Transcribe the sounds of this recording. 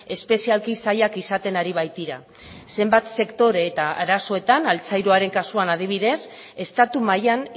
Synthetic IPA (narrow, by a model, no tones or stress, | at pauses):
e̞spe̞sialkisajakisat̪e̞naɾiβ̞ajt̪iɾa | se̞mbat̪se̞kt̪o̞ɾe̞ːt̪aaɾaso̞e̞t̪analt͡sajɾoaɾe̞ŋkasuanað̞iβ̞iðe̞s | e̞st̪at̪umajan